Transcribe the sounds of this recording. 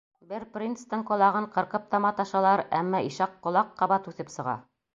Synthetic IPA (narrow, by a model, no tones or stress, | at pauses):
bɘɾprʲint̪st̪ɤɴqŏlˠɑʁɤɴqɤ̆ɾqɤp̚t̪ɑmɑt̪ɑʃɑlˠɑɾæ̰mːɑʔiʃɑqːŏlˠɑqːɑβɑt̪ʉθɘpsɤ̆ʁɑ̰